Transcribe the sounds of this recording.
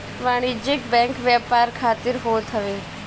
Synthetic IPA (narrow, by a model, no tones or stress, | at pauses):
ʋaːɽ̃id͡ʒɪkbɛ̃ːŋkʋjaːpaːɾkʰaːt̪ɪɾɦoːt̪ʰɐʋeː